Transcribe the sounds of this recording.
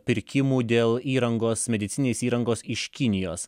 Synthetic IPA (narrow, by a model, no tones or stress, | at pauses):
pʲɪɾʲkʲɪmuːd̪ʲeːlˠiːɾɐŋɡoːsmʲɛd̪ʲɪt̪sʲɪnʲnʲeːsʲiːɾɐŋɡoːsɪʃkʲɪnʲɪjoːs